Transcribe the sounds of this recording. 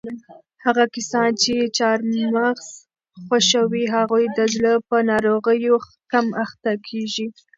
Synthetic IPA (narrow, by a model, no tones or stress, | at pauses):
haɣakasɑnt͡ʃet͡ʃɑɾmaɣz̥ | xwaʃəwiɦaɣujd̪əzləpənɑɾoɣəjo | kamaxt̪akʰeʒi